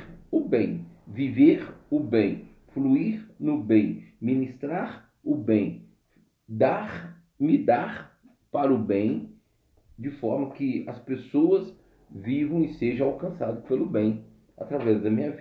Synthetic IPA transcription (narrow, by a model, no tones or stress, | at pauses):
ʊbẽj̃viveɾʊbẽj̃ | fluiɾnʊbẽj̃mĩnist̪ɾaɾ | ʊbẽj̃ | d̪aɾ | mɪd̪aɾ | paɾɐʊbẽj̃ | d͡ʒɪfɔɾmɐkɪɐspesoɐs | vivɐ̃w̃ɪseʒɐ̃awkɐ̃sad̪ʊpelʊbẽj̃ | a̰t̪ɾavɛzd̪ɐmĩɲɐv